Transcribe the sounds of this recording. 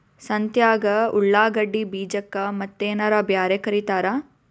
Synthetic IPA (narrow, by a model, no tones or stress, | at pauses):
sɐnt̪jaːɡɐuɭːaːɡɐɖːibiːd͡ʒɐkːɐmɐt̪ːeːnɐɾɐbjaːɾekɐɾit̪aːɾa